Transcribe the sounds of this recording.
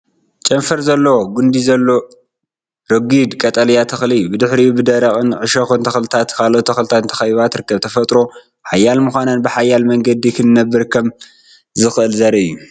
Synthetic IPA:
t͡ʃʼɐɱfɐɾzɐlːɐwoɡund̪izɐlːo̞ | ɾɐɡid̪kʼɐt̪ʼɐljat̪ʰɐxlɨjːubɨd̪ɨħɾiubɨd̪ɐɾɐχʼɨnʕɨʃɐxɨnt̪ʰɐxlɨt̪ʰat̪kʰalʔot̪ʰːɐxlɨt̪ʰant̪ʰɐ̥xɐjβat̪ɾɨkːɐβt̪ʰɐfɐt̪ʼɾo̞ | ħajːalmɨxʷanɐnbɨħajːalmɐŋɡɐd̪ikʰɨnɨnɐbːɨɾkʰɐm | zɨxɨʔɨlzɐɾɐɨjːu

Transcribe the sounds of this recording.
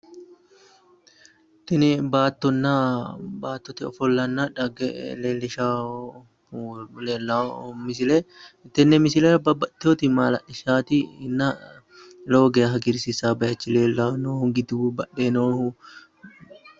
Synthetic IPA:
t̪ɪnɪbaːt̪ːɔnːabaːt̪ːɔt̪ɛɔfɔlːɐnːaᶑɐɡɛleːlːɛʃaː | lelːamɪs̬ɪlet̪ːɛnːɛmɪsɪlɛɐbɐbɐt̪ːɪoːt̪ɪmaːlɐʔɪʃaːt̪ɪɪnːɐ | loːɡeːɦɐɡɪɾsɪsaːbɐjɐt͡ʃːɪleːlːanoːhʊɡɪd̪ubɐᶑenoːhʊ

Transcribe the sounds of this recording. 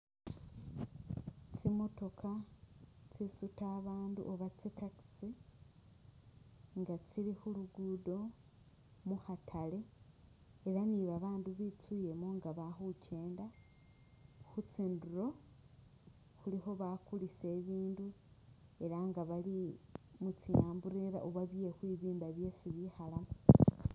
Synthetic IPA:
t͡simo̞to̞kʰa | t͡sisutaːβaːndṵʔoβat͡sitaksi | ŋɡat͡siɾixuluɡudo̞ | muhatʰale̞ː | ɾaniβaβaːnduβit͡suje̞moŋɡaβaxuce̞ːnda | xut͡siːnduɾo̞ | xulixo̞βakulise̞ːβiːndu | e̞ɾaŋɡaβalimut͡sijaːmbuɾeɾaʔoβaβije̞xwiβiːmbaβje̞siβihalamo

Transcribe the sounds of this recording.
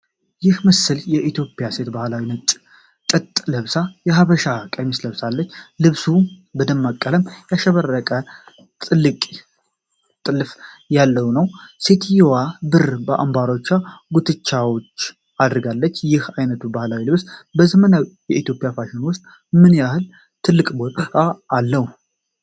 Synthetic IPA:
jɪhməsɨljɛʔit̪ʰjo̞pʼjase̞t̪bahlawinət͡ʃʼ | kʼɨt̪ʼləβsajɛɦaβəʃakʼəmisləβsalːət͡ʃːlɨβsubəd̪əmːakʼːələmjaʃəβərːəkʼə | t̪ʼɨlːɨkʼ | t̪ʼɨlːfjalːəwnəwset̪ʰjwabɨɾbəʔa̰mbaɾo̞t͡ʃːaɡut̪ʰɨt͡ʃːawo̞t͡ʃː | ad̪ɨɾɡalːət͡ʃːjɪhajnət̪ʰubahlawilɨβsbəzəmənawjɛʔit̪jopʼjafaʃɪnwʊst̪ʼ | mɨnjahɨl | t̪ʰɨlːɨkʼbo̞t̪ʼaːlːəhu

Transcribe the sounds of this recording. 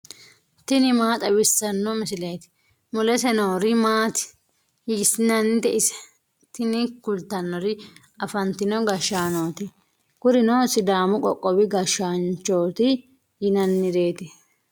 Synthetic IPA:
t̪ɪnɪmaːt̪ʼɐbɪsːɐnːɔmɪsɪle̞ːt̪ɪ̥ | mʊlɛsɛnoːɾɪmaːt̪ɪ̥ | jiːsɪnɐnːɪd̪ɛʔɪsɛ̥ | t̪ɪnɪkʊlt̪ɐnːɔɾɪ | ɐfɐnt̪ɪnɔɡɐʃːaːnoːt̪ɪ | ɡ̥ʊɾɪnosɪd̪aːmʊkʼɔkʼːɔbɪɡɐʃaːnt͡ʃo̞ːt̪ɪ | jɪnɐnːɪɾe̞ːt̪ɪ

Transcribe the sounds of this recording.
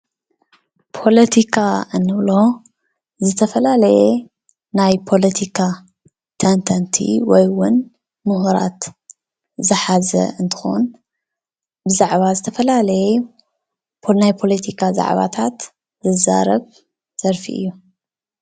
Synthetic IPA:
pʰo̞lɐt̪ʰikʰaʔɨnːɨβlo̞ | zɨt̪ʰɐfɐlalɐjɛ | najpʰo̞lɐt̪ʰikʰa | t̪ʰɐnt̪ʰant̪ʰḭwɔjwʊn | mɨɦuɾa̰t̪ | zɨħazɐ̰ɨnt̪ʰɨ̥xo̰n | bɨzaʕβazɨt̪ʰɐfɐlalɐjɛ | najpʰo̞lɐt̪ʰikʰaza̰ʕβa̰t̪ʰat̪ | zɨza̰ɾɐβ | z̥ɐɾfḭʔɨ̰jːu

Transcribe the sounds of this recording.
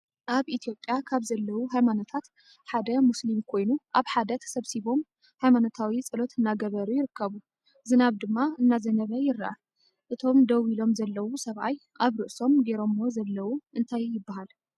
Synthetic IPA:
ʔaβʔit̪ʰijo̞pʼːjakʰaβzɐlːɐwuɦajmanot̪ʰat̪ | ħad̪ɐmuslimkʰo̞jnuʔaβħad̪ɐt̪ʰsɐβsiβo̞m | hajmanot̪ʰawit͡sʼɨlo̞t̪ʰɨnːaɡɐβɐɾujɪɾɨkːɐβu | zɨnaβd̪ɨmːaɨnːazɐnɐβɐjɪɾːaʔa̰ | ʔɨt̪ʰo̞md̪ɐwilo̞mzɐlːɐwusɐβʔa̰jʔaβɾɨʔso̞mɡeɾo̞mːo̞zɐlːɐwuʔɨnt̪ʰajːɪbːaɦal

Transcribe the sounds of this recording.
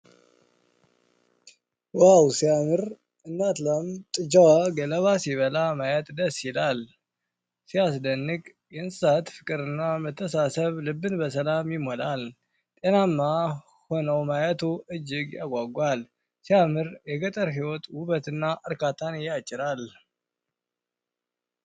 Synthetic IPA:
wawsijamɨɾ | ɨnːat̪lamt̪ʼɨd͡ʒawaɡələβasjiβəlamajɛt̪d̪əsjɪlal | sias̬d̪ənːɨkʼ | jɛnssat̪fɨkʼɨɾɨnːamət̪ʰːəsasəβlɨbːɨnbəsəlamjɪmolal | t̪ʼenamːa | ho̞nəwmajət̪ʰuɨd͡ʒːɪɡja̰ɡʷaɡʷal | siamɨɾjɛɡət̪ʼəɾɦiwɔt̪wʊβət̪ɨnːaʔɨɾkat̪ʰanjat͡ʃʼːɪɾal

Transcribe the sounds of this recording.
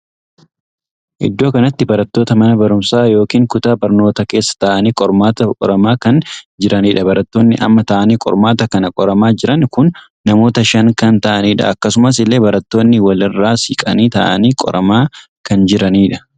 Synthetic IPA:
ʔɪ̰d̪ːoːkɐnɐt̪ːɪbɐɾɐt̪ːo̞ːt̪ɐmɐnɐbɐɾʊmsaːjo̞ːkiːŋkʊt̪aːbɐɾno̞ːt̪ɐke̞ːsːɐ̥t̪ɐʔɐniːkʼɔɾmaːt̪ɐkʼɔ̰ɾɐmaːkɐnd͡ʒɪɾɐniːᶑɐbɐɾɐt̪ːo̞ːnːɪʔɐ̰mːɐt̪ɐʔɐniːkʼɔ̰ɾmaːt̪ɐkɐnɐkʼɔɾɐmaːd͡ʒɪɾɐnkʊnː | ɐmo̞ːt̪ɐʃɐŋkɐnt̪ɐʔɐniːᶑɐ̰ɐkːɐsʊmɐs̬ɪlːe̞ːbɐɾɐt̪ːo̞ːnːɪwɐlɪrːaːsiːkʼɐniːt̪ɐ̰ːʔɐ̰niːkʼɔ̰ɾɐmaː | kɐnd͡ʒɪɾɐniːᶑɐ̥

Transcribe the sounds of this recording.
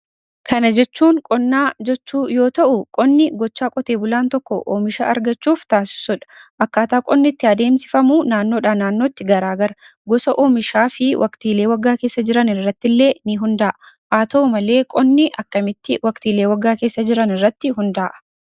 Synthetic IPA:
kʰɐnɐd͡ʒɛt͡ʃːuːŋkʼɔnːaːd͡ʒɛt͡ʃːuːjo̞ːt̪ɐʔʊkʼɔnːɪɡɔt͡ʃːaːkʼɔt̪e̞ːbʊlaːnt̪ɔkːɔʔo̰ːmɪʃa̰ːʔɐɾɡɐt͡ʃːuːft̪aːsɪ̥sɔᶑɐ̥ʔɐkːaːt̪aːkʼɔnːɪt̪ːɪɐd̪e̞ːmsɪfɐmuːnaːnːoːᶑaːnaːnːoːt̪ːɪɡɐɾaːɡɐɾɐ | ɡɔsɐʔoːmɪʃaːfɪwʔɐkt̪iːle̞ːwɐɡːaːke̞ːsːɐd͡ʒɪɾɐnɪrːɐt̪ːɪlːe̞ːnɪɦʊnd̪ɐːʔ | ʔaːt̪oːmɐle̞ːkʼɔnːɪʔɐkːɐmɪt̪ːɪwɐkt̪iːle̞ːwɐɡːaːke̞ːsːɐd͡ʒɪɾɐnɪrːɐt̪ːɪɦʊnd̪ɐːʔɐ̥

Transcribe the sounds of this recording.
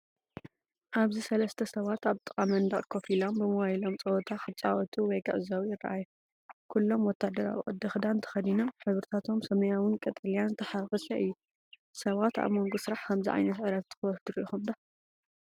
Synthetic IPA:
ʔaβzisɐlɐst̪ʰɐsɐβat̪aβt̪ʼɨ̥kʼamɐnd̪ɐχʼkʰofilombɨmɐwajilomt͡sʼɐwɔt̪ʰaxɨt͡sʼawɔt̪ʰuwɔjkʰɨʕɨzawijɪrːɐ̰ʔaju | kʰulːo̞mwɔt̪ʰːad̪ɐɾa̰w̰ʔʼɨd̪ːɨxd̪ant̪ʰɐ̥xɐd̪inaħɨβɾɨt̪ʰat̪ʰo̞msɐmɐjawɨnkʼɐt̪ʼɐlijanɨt̪ʰɐħaɣɨsɐɨjːu | sɐβat̪a̰βmoŋɡosɨɾaħkʰɐmziʕa̰jnɐt̪ʕɨɾɐt̪ːɨ̥xɨwɔfd̪ɨɾixumd̪a

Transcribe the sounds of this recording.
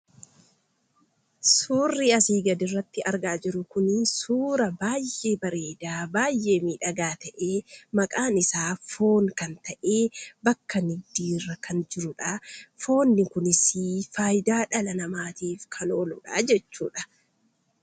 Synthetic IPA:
suːrːiɐsiːɡɐd̪ɪrːɐt̪ːɪʔɐɾɡaːd͡ʒɪɾʊkʊnsuːɾɐbaːjːʔe̞ːbɐɾe̞ːd̪aːbaːjːe̞ːmiːᶑɐɡaːt̪ɐʔe̞ːmɐkʼaːnɪsaːfo̞ːŋkɐnt̪ɐʔe̞ːbɐkːɐnɪd̪iːrːɐkʰɐnd͡ʒɪɾʊᶑafo̞ːnːɪkʊnɪsiːfaːjd̪aːᶑɐlɐnɐmaːt̪iːfkʰɐnoːlʊᶑa̰d͡ʒɛt͡ʃːṵːᶑɐ

